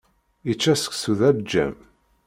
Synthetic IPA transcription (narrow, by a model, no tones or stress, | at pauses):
it͡ʃːæsə̥ksuðæbd͡ʒːæ̰m